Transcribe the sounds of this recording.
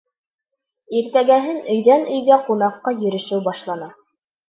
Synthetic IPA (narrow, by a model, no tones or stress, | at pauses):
iɾt̪æɡæɦɘnɵ̆jðænɵ̆jɡæqunɑqːɑjɵ̆ɾɘ̆ʃɘwbɑʃlˠɑnɑ